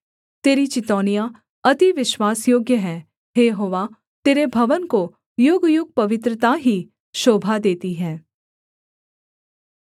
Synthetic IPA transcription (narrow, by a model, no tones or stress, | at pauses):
t̪eːɾit͡ʃɪt̪ɔːnija | ɐt̪iʋɪʃwaːsjoːɡjəɦɛ̃ː | ɦeːɦoːʋa | t̪eːɾebʱɐʋənko | joːɡjʊɡ̚pɐʋɪt̪ɾət̪aɦi | ʃoːbʱad̪eːt̪iɦɛ̃ː